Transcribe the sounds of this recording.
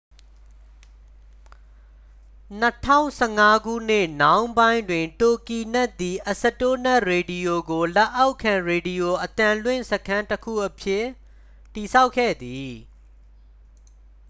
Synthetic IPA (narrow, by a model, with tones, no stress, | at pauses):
n̥ə˦tʰã̰˦˨ʊ̃sɛ˦˨ŋa˦ɡṵ˦˨n̥ɪ˦˨nã˦ʊ̃mbã˦ɪ̃ndwɪ̃˨nto˨ki˨nɛ˦ʔt̪ːi˨ʔə˨sə˨to˦nɛ˦ʔɹe˨di˨jo˨ɡo˨la˦ʔa˦ʊʔkʰːã˨ɹe˨di˨jo˨ʔət̪ã˨lwɪ̰̃˦˨səkʰã˦ntəkʰṵ˦˨ʔəpʰjɪ˦˨ | tːi˨sʰa˦ʊkʰːɛ̰˦˨d̪i˨